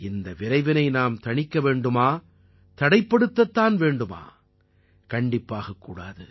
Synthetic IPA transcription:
ɪnd̪ɐʋɪɾɐɪʋɪnɐɪnaːmt̪ɐɳɪkːɐʋeːɳɖɯmaː | t̪ɐɽɐɪpːɐɽɯt̪ːɐt̪ːaːnʋeːɳɖɯma̰ː | kɐɳɖɪpːaːɣɐkːuːɽa̰ːðɯ

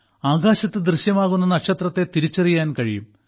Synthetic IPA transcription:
aːɣaːɕɐt̪ːɨd̪rɨɕjɐmaːɣunːɐnɐkʂɐt̪rɐt̪ːe̞t̪iɾit͡ɕːɐrijaːnkɐɻijṵm

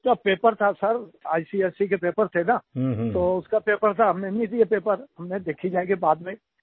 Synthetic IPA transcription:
d͡ʒɐpeːpəɾt̪ʰasɐɾaːjsiɛːsik̬epeːpəɾt̪ʰenat̪oʊskapeːpəɾt̪ʰaɦɐmnẽnĩd̪iepeːpəɾɦɐmnẽd̪eːkʰid͡ʒaːeɡibaːd̪mẽ

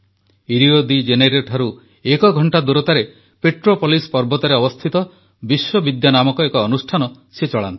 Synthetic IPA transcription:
iɾiod̪id͡ʒeneɾeʈʰaɾu | ekɔɡʱɔɳʈad̪uɾɔt̪aɾe | peʈɾopɔlispɔɾbɔt̪aɾeɔbɔst̪ʰit̪ɔ | biswɔbid̪janamɔkɔekɔːnusʈʰanɔ | set͡ʃɔɭa̰nt̪i̥

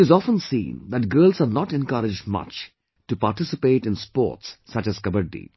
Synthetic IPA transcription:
ɨzɔfə̃nsḭ̃nd̪æʈ̚ɡɜːlˠzənɔʈɛ̃nkʌɾɪd͡ʒdmʌ̰t͡ʃ | ʈupaɾʈɪsɪpeːʈɪ̃nspɔ̰ːɾʈsːʌt͡ʃæz̥kʌbəɖḭ

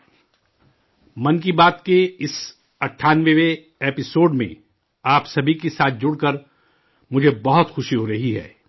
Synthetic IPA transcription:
mɐnkibaːt̪keɪs | ɐʈʰːaːnʋeʋe | eːpɪsoːɖmḛ̃ | aːpsɐbʱikesaːt̪̚ʰd͡ʒʊɽkɐɾ | mʊd͡ʒʱebɐɦʊt̪xʊʃiɦoɾɐɦiɦɛ̰ː

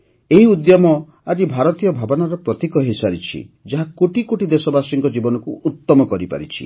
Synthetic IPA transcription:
eɦiud̪jamɔ | ad͡ʒibʱaɾɔt̪ijɔbʱabɔnɔɾɔpɾɔt̪ikɔɦesaɾit͡ʃʰḭd͡ʒaɦakoʈikoʈid̪esɔbasiŋkɔd͡ʒibɔnɔkuʔːt̪ːɔmɔkɔɾipa̰ɾḭt͡ʃʰḭ

